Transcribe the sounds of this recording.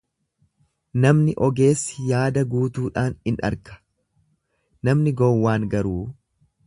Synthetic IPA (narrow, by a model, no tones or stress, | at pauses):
nɐmnɪʔɔɡe̞ːsːɪ̥jaːd̪ɐɡuːt̪uːᶑaːnɪnɐ̰ɾkɐ̥ | nɐmnɪɡɔwːaːŋɡɐɾuː